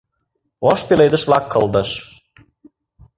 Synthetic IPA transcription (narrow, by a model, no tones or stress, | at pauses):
oʃpelejd̪ə̆ʃvlɑkʰːɤ̆lˠd̪ɤ̆ʃ